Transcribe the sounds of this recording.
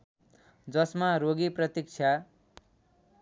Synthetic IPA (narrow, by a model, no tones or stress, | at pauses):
d͡zʌsmaɾoɡiprʌt̪ik̚t͡sʰa